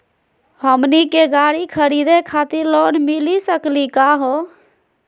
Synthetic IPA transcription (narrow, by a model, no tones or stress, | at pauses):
həmnikeɡaɽikʰəɾid̪ekʰat̪iɾlonmilisəklikaɦo